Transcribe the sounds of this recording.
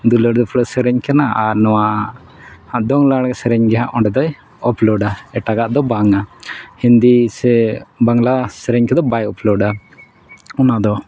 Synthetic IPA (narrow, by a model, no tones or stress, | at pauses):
d̪ulɔɾd̪ɔpʰɽɔsɛɾɛɲkanaaɾnɔwa | d̪ɔŋlaɽɡɛsɛɾɛɲɡɛɦaʔɔɳɖɛd̪ɔj | ɔplɔɖaɛʈaɡaʔd̪ɔbaŋahind̪isɛbaŋlasɛɾɛɲkɛd̪ɔbajɔplɔɖa | ɔnad̪ɔ